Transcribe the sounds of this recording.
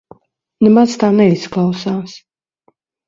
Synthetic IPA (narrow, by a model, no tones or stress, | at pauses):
nɛmazt̪aːnɛisklˠawsaːs